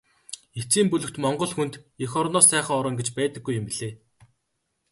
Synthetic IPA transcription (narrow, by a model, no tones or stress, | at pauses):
et͡siːmpɵɮɵ̆kt̪mɔɴɢɞ̆ɮxunt̪exɔɾnɔːsæːχə̆ŋɔɾɞ̆ŋɡet͡ɕpæːt̪ə̆ɡːujʊmpiɮeː